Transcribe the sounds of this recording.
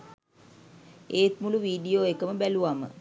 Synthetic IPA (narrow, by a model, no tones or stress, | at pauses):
eːt̪muluʋiːɖijoːekəməbæluʋamə